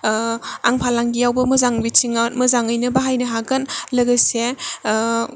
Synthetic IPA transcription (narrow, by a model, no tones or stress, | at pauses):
aŋpʰalaŋɡijawbɐmɐzaŋbit͡ʃiŋatmɐzaŋɯjnɐbaɦajnɐɦaɡɐnlɐɡɐse